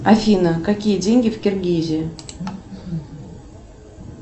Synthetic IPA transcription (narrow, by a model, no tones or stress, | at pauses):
afʲinəkakʲijɘdʲeŋʲɡʲɪfʲkʲerʲɡʲiʑe